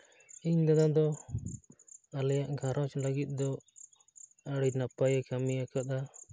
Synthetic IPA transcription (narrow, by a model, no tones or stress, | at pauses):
iɲd̪anad̪ɔ | alɛjaʔɡʱãɾɔ̃t͡ʃlaɡit̪̚ˀd̪ɔ | aɽinapajɛkamiakat̪a